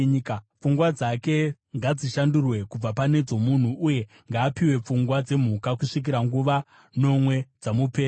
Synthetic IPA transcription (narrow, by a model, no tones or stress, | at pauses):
kp͡fuŋɡwad͡zake̞ | ŋɡad͡ziʃandurwe̞kub͡vapane̞d͡zo̞mun̤uʔːje̞ | ŋɡaːpiwe̞p͡fuŋɡwad͡ze̞m̤ukakuʂik̬iɾaŋɡuʋa | no̞mwe̞d͡zamupe̞ːr